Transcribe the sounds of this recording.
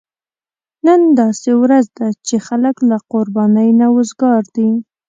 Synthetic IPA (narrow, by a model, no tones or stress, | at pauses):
nənd̪ɑsewɾazd̪at͡ʃexaləklaqʊɾbɑnəjnawʊzɡɑɾd̪i